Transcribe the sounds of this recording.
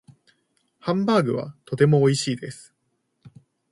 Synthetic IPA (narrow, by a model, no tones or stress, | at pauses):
hãmbaːɡɯ̟βa̰t̪o̞t̪e̞mo̞ːiɕiːd̪e̞sɨ̥